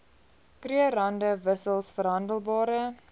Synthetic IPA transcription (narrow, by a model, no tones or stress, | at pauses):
kriəɾɐndəvəsəlˠsfəɾɦɐndəlˠbɑːɾə